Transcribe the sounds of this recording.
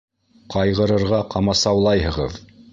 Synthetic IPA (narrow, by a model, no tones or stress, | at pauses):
qɑjʁɤ̆ɾɤ̆ɾʁɑqɑmɑsɑwlˠɑjɦɤ̆ʁɤ̰ð